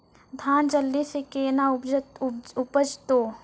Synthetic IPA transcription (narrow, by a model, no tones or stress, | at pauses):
d̪ʱaːnd͡ʒəlːisekeːnaʊ | ʊpəd͡ʒt̪oː